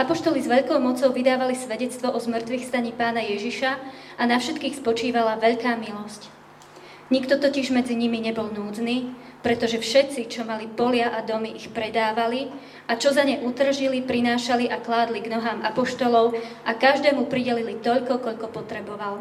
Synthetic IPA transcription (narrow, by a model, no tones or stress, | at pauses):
ʔapɔʃt̪ɔlizʋɛʎkɔʊmɔt͡sɔʊʋid̪aːʋalisʋɛɟɛt͡st̪ʋɔʔɔzmr̩t̪ʋixst̪aɲiːpaːnajɛʒiʃa | anafʃɛt̪kiːxspɔt͡ʃiːʋalaʋɛʎkaːmilɔsc | ɲikt̪ɔt̪ɔciʒmɛd͡ziɲimiɲɛbɔlnuːd͡zniː | pɾɛt̪ɔʒɛfʃɛt̪t͡sit͡ʃɔmalipɔlɪaʔad̪ɔmiʔixpɾɛd̪aːʋali | ʔat͡ʃɔzaɲɛʔut̪r̩ʒilipɾinaːʃaliʔaklaːd̪liɡnɔɦaːmapɔʃt̪ɔlɔʊʔakaʒd̪ɛːmupɾiɟɛlilit̪ɔʎkɔkɔʎkɔpɔt̪ɾɛbɔʋal